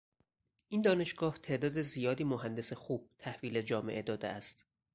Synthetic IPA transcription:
ʔiːnd̪ɒːne̞ʃɡɒːht̪ʰe̞ʔd̪ɒːd̪ezijɒːd̪iːmoɦænd̪e̞sexuːb̥̚t̪ʰæhviːled͡ʒɒːme̞̰ʔe̞d̪ɒːd̪ḛʔæst̪

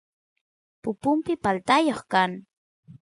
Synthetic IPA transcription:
pʊpʊmpɪpalt̪ajoχkaŋ

